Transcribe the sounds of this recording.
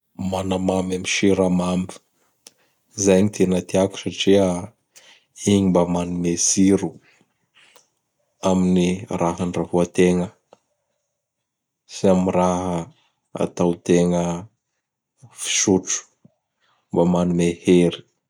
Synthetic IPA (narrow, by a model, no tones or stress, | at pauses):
manamamamiʃiɾamami̥ | izajɲit̪ʰenat̪iaku̥saʈ͡ʂia | iɲimbamanumesiɾu | aminirʔaɦanrafuat̪eŋə | siamiɾaɦə | a̰t̪awt̪eŋə | fi̥ʃuʈ͡ʂu̥ | mbamanumeheɾi̥